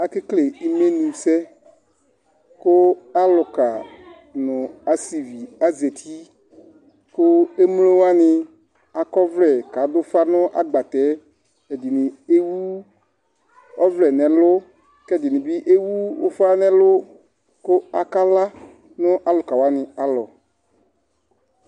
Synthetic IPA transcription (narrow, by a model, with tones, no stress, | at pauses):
a˨kɪ˦kle˨i˨me˦nũ˨sɛ˦ | kʊ˦a˦lʊ˨ka˨ | nʊ̃˨a˨si˨vi˨a˦ze˨t̪ʰi˦ | kʊ˦e˦m˦lo˦wa˦nɪ˨ | a˨kɔ˦vlɛ˨ka˨˦dʊ˦fa˦nʊ˦ʔa˦ɡ͡ba˨t̪ɛ˨˦ | ɛ˨dɪ˨nɪ̃˨e˦wu˦ | ɔ˦vlɛ˨nɛ̃˨lʊ˦ | kɛ˦˨dɪ˨nɪ̃˨bi˦ʔe˦wu˦ʊ̰˦fa˦nɛ̃˦lʊ˦ | kʊ˦a˨ka˦la˦ | nʊ̃˦ʔa˨lʊ˨ka˨wa˦nɪ̃˨a˨lɔ˨